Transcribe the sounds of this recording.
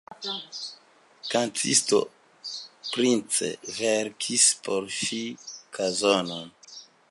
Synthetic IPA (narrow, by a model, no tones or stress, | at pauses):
kantʰḭsto̰ | pɾint͡sḛveɾkʰispʰoɾʃikʰazonon